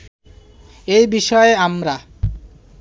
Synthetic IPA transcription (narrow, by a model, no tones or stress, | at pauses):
ejbiʃɔeamɾa